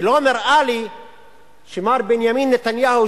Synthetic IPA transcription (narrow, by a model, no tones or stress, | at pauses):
lomeɾʔaːli | ʃimaːɾbenjamiːnːet̪anjaːhu